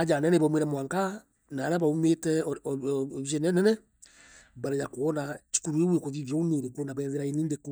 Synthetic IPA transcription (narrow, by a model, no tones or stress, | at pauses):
ad͡ʒanɛnɛβameɾɛmwaŋka | naɾaβaumetɛ | βiʃɛnɛnɛnɛ | baɾejakuɔnat͡ʃi̥kuɾwewekoðiβɔuneɾekuonaβɛðeɾainindeku